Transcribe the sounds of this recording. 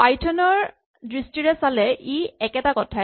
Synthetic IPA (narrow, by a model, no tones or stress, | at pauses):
pajtʰɔnɔɹ | dɹistiɹɛsalɛʔiɛkɛtakɔtʰa